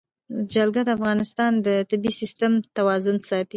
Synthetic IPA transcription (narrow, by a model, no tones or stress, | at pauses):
d͡ʒalɡad̪əafɣɑnɪst̪ɑnd̪ət̪ɪbisist̪əmt̪awɑzʊnsɑt̪i